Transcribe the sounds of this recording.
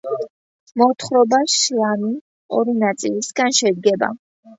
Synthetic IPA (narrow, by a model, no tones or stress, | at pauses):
mɔt̪ʰχɾɔbaʃlˠami | ɔɾinat̪sʼilisɡanʃɛd̪ɡɛba̰